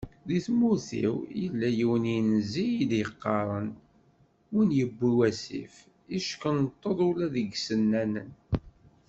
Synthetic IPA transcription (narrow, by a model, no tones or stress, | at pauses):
ðiθmuθḭwjə̰lːæjiwəninzijid̪jəqːɑɾˤən | winjəbːiwæsḭf | iʃkənt̪ˤːəðˤʊlæðəɡsənːænə̰n